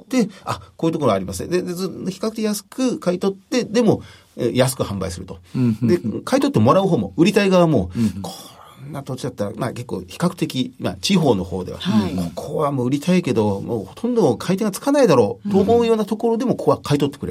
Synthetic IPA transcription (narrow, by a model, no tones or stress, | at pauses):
d̪̥e̞akoːiɯ̟t̪okoɾoaɾimasɨd̪ed̪zɨoçʲi̥kakɯ̟̥t̪ejasɨ̥kɯ̟kait̪o̞t̪ːe̞d̪e̞mo̞ | ḛjasɨ̥kɯ̟hãmbaisɨɾɯ̟t̪o̞d̪e̞kʰait̪ot̪ːe̞mo̞ɾaɯ̟ɦo̞ːmo̞ɯ̟ɾʲit̪aiɡaβamo̞kʰonːat̪o̞t͡ɕid̪at̪ːaɾa̰ma̰ke̞kːo̞̰ːçi̥kakɯ̟̥t̪e̞kʲima̰t͡ɕiɦo̞ːno̞ho̞̰ːd̪e̞̰a̰kʰo̞̥kʰoβamoɯ̟ɾʲit̪ʰaike̞d̪o̞mo̰ːhot̪ʰõ̞nd̪o̞kʰait̪e̞ŋɡat͡sɨ̥kanaid̪aɾo̞ːt̪oːmo̞ɯ̟joːnat̪o̞ko̞ɾo̞d̪e̞mo̞kokakʰait̪o̞t̪ːekɯɾe